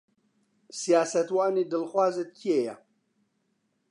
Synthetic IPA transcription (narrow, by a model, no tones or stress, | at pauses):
sijaːsɐtwaːnidɨlχʷaːzɐt̚kʰeja̰